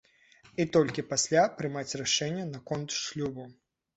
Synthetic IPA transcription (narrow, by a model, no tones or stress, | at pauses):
it̪ɔlʲkʲipasʲlʲapɾɨmat͡sʲraʂɛnʲːɐnɐkɔnt̪ʂlʲubɐ